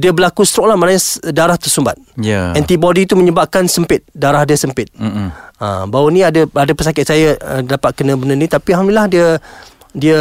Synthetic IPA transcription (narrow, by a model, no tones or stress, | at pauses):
diəbəlakust̪ɾɔʔlahmanaɲadaɾaht̪ərsəmbat̪̚jə̰ɛnt̪ibɔdit̪umə̃ɲəbap̚kansəmpɪt̪̚daɾahdiəsəmpɪt̪̚ə̰bawənĩadəadəpəsakɪt̪̚sajəədapat̪̚kənə̃bənənit̪apiaɦamnilahdiə | diə